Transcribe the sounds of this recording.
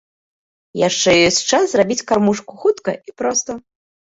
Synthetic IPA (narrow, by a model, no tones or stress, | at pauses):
jaʂt͡ʂɛjɔsʲtʲt͡ʂaszrabʲit͡sʲkarmuʂkuxut̪kɐipɾɔst̪ɐ